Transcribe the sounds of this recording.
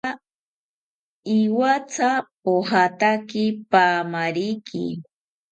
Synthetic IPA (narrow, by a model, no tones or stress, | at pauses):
iwat͡sʰapoɦat̪akɪpaːmaɾikʰɪ̰